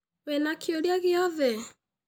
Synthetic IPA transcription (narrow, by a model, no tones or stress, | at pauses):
βɛnakʰjoljaɣeɔðɛ